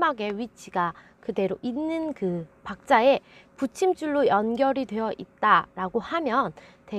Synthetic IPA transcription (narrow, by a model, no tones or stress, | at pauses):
maɡe̞ɥit͡ɕʰiɡa | kɯde̞ɾoʔinːɯnkɯpak̚t͡ɕ͈ae̞put͡ɕʰimt͡ɕ͈uɭːojʌnɡjʌɾidwe̞jʌʔit̚t͈aɾaɡohamjʌn | te